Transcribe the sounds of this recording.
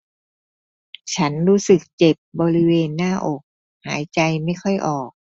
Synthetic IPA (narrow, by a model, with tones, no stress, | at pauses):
t͡ɕʰa˦˥nɾuː˦˥sɯ˨˩k̚t͡ɕe˨˩p̚bɔː˧ɾi˦˥weː˧nːaː˥˩ʔo˨˩k̚ | haː˩˦jt͡ɕa˧jma˥˩jkʰɔ˥˩jʔɔː˨˩k̚